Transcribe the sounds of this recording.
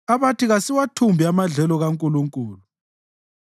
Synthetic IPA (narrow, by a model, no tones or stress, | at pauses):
aβatiɣasiwatʰumbʱiamaɮɛlɔɣaŋkʼuluŋkʼuːlu